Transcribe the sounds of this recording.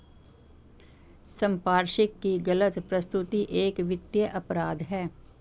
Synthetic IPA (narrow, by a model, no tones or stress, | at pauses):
sɐ̃mpaːɾʃɪkːiɡɐlət̪pɾɐst̪ʊt̪iʔeːkʋɪt̪jəʔɐpɾaːd̪ɦɛː